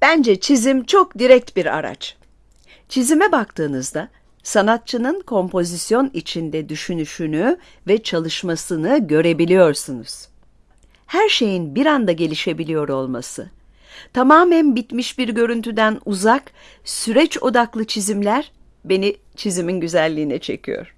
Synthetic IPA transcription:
b̥ænd͡ʒɛt͡ʃʰizimt͡ʃʰo̞kd̪iɾɛc̚t̪biɾa̰ɾa̰t͡ʃ | t͡ʃʰizimɛbakt̪ʰɯːnɯzd̪a | sanat̪̚t͡ʃʰɯnɯnkʰo̞mpʰo̞zisjo̞nit͡ʃʰind̪ɛd̪yʃynyʃyny | vɛt͡ʃʰalˠɯʃmasɯnɯɟø̞ɾe̞bilʲijo̞ɾsunuz̥ | hæɾʃe̞jinbiɾand̪aɟe̞lʲiʃe̞bilʲijo̞ɾo̞lˠmasɯ | t̪ʰamaːmænbit̪miʃbiɾɟø̞ɾynt̪ʰyd̪ænuzak | syɾɛt͡ʃo̞d̪aklˠɯt͡ʃʰizimlʲæɾ | be̞ni | t͡ʃʰiziminɟyzælʲːiːnɛt͡ʃʰe̞̰cʰḭjo̰ɾ̥

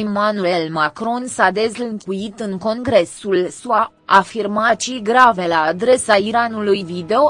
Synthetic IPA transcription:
manue̞lmakɾo̞nsad̪e̞zlɨŋkuit̪ɨŋko̞ŋɡɾe̞sulsua | afirmat͡ʃijɡɾave̞laːd̪ɾe̞saiɾanulujvid̪eo

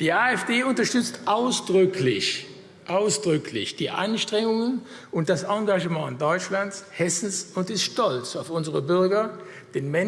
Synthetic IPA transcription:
d̥iːaːɛfd̥eːʊntɐʃtʏt͡stʔaʊsd̥ʁʏkʰlɪç | ʔaʊsd̥ʁʏklɪ̰çd̥iːʔa̰nʃtʁ̥ɛŋʊŋən | ʔʊnt̚d̥asɑŋɡaʒəmɑ̃ːɪndɔʏt͡ʃlantshɛsn̩sʊntɪstʃtɔlt͡saʊfʊnzəʁəbʏɐɡɐ | d̥eːnmɛn

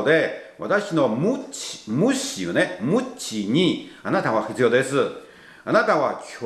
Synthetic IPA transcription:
d̪e̞βa̰t̪aɕino̞mɯt͡ɕmɯɕiɯnemɯ̟t͡ɕiɲ̟ianat̪aβaɸɯ̥t͡sɨjo̞ːd̪e̞sɨ | anat̪aβakʲʰo

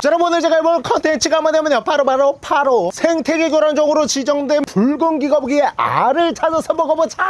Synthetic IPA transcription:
t͡ɕʌɾʌmonɯɭt͡ɕe̞ɡaimʌɭkʰʌntʰent͡ɕʰiɡamʌnamʌnjʌpʰaɾopaɾopʰaɾosʰeŋtʰeɡeɡjoɾand͡ʑʌɡɯɾot͡ɕid͡ʑʌŋdwe̞npuɭɡɯŋɡiɡʌbɡie̞ʔa̰ɾɯɭt͡ɕʰad͡ʑʌsʰʌbʌɡʌbot͡ɕʰa

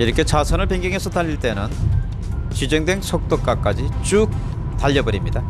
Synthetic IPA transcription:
iɾʌkʰe̞t͡ɕasʰʌnɯɭpeŋɡjʌŋɦe̞sʰʌtaʎːiɭt͈e̞nɯn | t͡ɕid͡ʑʌŋdwe̞ŋsʰok̚t͈ok͈ak͈ad͡ʑit͡ɕ͈uk̚ | t̪aʎːʌbʌɾimɲida

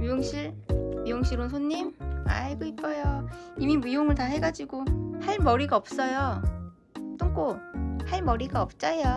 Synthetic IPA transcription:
jujoŋɕʰiɭɥijoŋɕʰiɾonsʰonːima̰ɭɡoip͈̚ʌjoimimijoŋɯɭtahe̞ɡad͡ʑiɡohaɭmʌɾiɡaʌp̚s͈ʌjo | t͈oŋk͈ohaɭmʌɾiɡaʌp̚t͡ɕ͈ajo

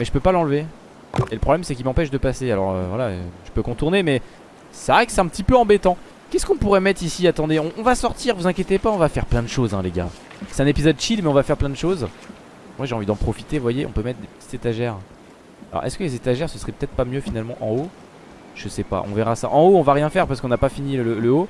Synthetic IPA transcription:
mɛʒəpøpalɑ̃lve | eləpχɔblɛmsɛkʲilmɑ̃pɛʃd̪əpasealɔ̰ʁø̰vwalaʒ̥ə̥pøkɔ̃t̪uʁnemɛ | sɛvʁɛkə̥sɛt̪ɛ̃pət̪ipøɑ̃bet̪ɑ̃ | kʲɛskɔ̃puʁɛmɛt̪χisiat̪ɑ̃d̪eɔ̃ːvasɔʁt̪iʁvuzɛ̃kʲjet̪epaɔ̃vafɛʁplɛ̃d̪əʃozɛ̃leɡa̰ | sɛt̪ɛ̃nepizɔd̪̚ʃilmɛɔ̃vafɛʁplɛ̃d̪əʃoz | mwaʒeɑ̃vid̪ɑ̃pχɔfi̥t̪evwajeʔɔ̃pømɛt̪χd̪epə̥t̪i̥t̪z̥et̪aʒɛʁ | alɔ̰ʁɛ̰skəlezet̪aʒɛʁsəsʁɛpø̥t̪ɛt̪χpamjøfinalmɑ̃ʔɑ̰̃o | ʒ̥əsɛpa̰ʔɔ̃vɛʁasa̰ʔɑ̃oɔ̃vaʁjɛ̃fɛʁpasə̥kɔ̃napafinilələo

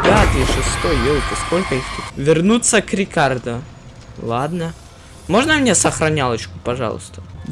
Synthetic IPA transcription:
ad̪iʂɨst̪ojjelˠk̪ɪskolʲkəixt̪ɪvʲɪrnut̪sːəkɾʲɪkard̪ʊ | lˠad̪nə | mo̞ʐnəmnʲesəxɾɐnʲalˠət͡ɕkʊpɐʐa̰lˠʊ̰st̪ə

